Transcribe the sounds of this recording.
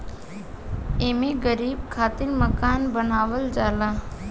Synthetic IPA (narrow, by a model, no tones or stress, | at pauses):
eːmeɡəɾiːb̚kʰaːt̪iɾməkaːnbənaːʋəld͡ʒaːlaː